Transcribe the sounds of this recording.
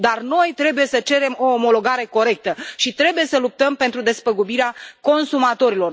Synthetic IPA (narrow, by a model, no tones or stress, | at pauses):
d̪arno̞jt̪ɾe̞buje̞sət͡ʃe̞ɾe̞mo̞ːmo̞lo̞ɡaɾe̞ko̞ɾe̞k̚t̪əʃit̪ɾe̞buje̞səlup̚t̪əmpe̞nt̪ɾud̪e̞spəɡubiɾeako̞nsumat̪o̞ɾilo̞r